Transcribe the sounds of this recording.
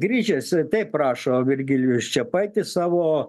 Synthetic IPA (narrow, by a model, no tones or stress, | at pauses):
ɡɾʲiːt͡ʃʲɛst̪ɐɪpprɑːʃoːʋʲɪrʲɡʲɪlʲjʊst͡ʃʲɛpɐɪt̪ʲɪsɑːʋoː